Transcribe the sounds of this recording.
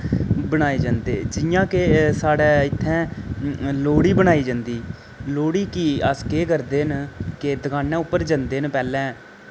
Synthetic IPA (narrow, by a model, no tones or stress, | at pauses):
bənaːeːd͡ʒãːnd̪eːd͡ʒɪjãːkesaːɽɛːɪt̪ʰːɛ̃ː | loːɽiːbəɳaːiːd͡ʒãːnd̪iː | loːɽiːkiəskeːkəɾd̪eːnked̪əkaːnːɛ̃ːʊpːəɾd͡ʒənd̪eːnpɛːlɛ̃ː